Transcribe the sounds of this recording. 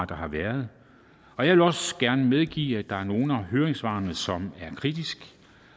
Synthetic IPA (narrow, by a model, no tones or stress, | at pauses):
d̥ɑ̈hɑ̈ʋæɐð̞ˠ | ɒ̽jɑ̈ɪʋe̝lɒ̽sɡ̥æɐnəmeð̞ˠɡ̥ḭːæd̥ɑ̈æɐno̝ːn̩æɦøːɐʁeŋsʋɑ̰̈ːnəsɒ̽mæɐkʰʁid̥isɡ̥